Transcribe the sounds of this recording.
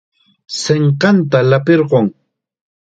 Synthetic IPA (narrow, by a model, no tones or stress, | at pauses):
seɴqɑnt̪alapeɾɢoŋ